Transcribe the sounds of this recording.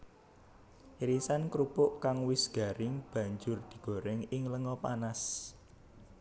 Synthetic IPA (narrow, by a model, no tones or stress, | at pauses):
iɾisankɾupʊʔkaŋwɪsɡ̥ä̤ɾɪŋb̥ä̤ɲd͡ʒʊrd̪̥i̥̤ɡ̥o̤ɾɛŋɪŋləŋɔpanas